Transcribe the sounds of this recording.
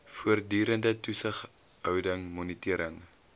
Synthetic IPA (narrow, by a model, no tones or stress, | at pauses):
fuərdyːɾəndətusəχ | ɦœwdəŋmɔnitiəɾəŋ